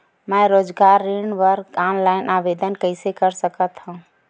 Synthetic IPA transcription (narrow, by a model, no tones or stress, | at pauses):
məɾod͡ʒɡaɾːiɳʋəɾɾɡanlaɪnʔaʋed̪ənkəɪsekəɾsəkət̪ɦũ